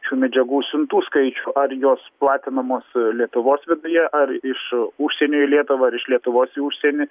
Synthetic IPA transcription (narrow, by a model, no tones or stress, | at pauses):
ʃʲuːmʲɛd͡ʒʲɛɡuːsʲʊnt̪uːskɐɪt͡ʃʲuʔɐrjoːsplˠɑːt̪ʲɪnɐmoːslʲiɛt̪ʊʋoːsʋʲɪd̪ʊjɛʔɐrɪʃuʃʲsʲɛnʲoːjlʲiɛt̪ʊʋɐɐɾɪʃlʲiɛt̪ʊʋoːsʊʃʲsʲɛnʲɪ